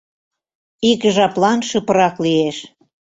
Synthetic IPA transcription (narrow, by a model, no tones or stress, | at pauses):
ikʒɑplɑnʃə̆pə̆ɾɑklieʃ